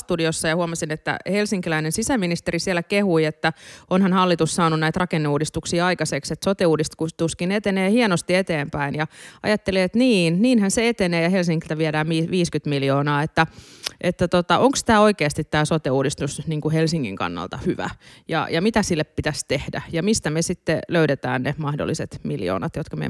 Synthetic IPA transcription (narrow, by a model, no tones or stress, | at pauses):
st̪udiosːɑjɑhuɑmɑsinet̪ːæ̰helsiŋkilæinensisæminist̪eɾisielːækehuiet̪ːæonhɑnhɑlːit̪ussɑːnunæit̪rɑkenːeuːdist̪uksiːɑikɑsekset̪sot̪euːdist̪kut̪uskinet̪eneːhienost̪iet̪eːmpæinjɑɑ̰jɑt̪ːeliet̪niːnniːnhænseet̪eneːjɑhelsiŋkilt̪æʋieɾæːmiːʋiːskyt̪miljoːnɑːet̪ːæʔet̪ːæt̪ot̪ɑʔoŋkst̪æːoikeːst̪it̪tːæːsot̪euːdist̪usniːŋkuhelsiŋːḭŋkɑ̰nːɑ̰lt̪ɑhyʋæ̰jɑ̰jɑmit̪æsilːeppit̪æst̪ehdæ̰jɑmist̪æmesit̪ːeløydet̪æ̰ːnnemɑhdo̰lːˑiset̪miljo̰ːnɑt̪jot̪kɑmḛ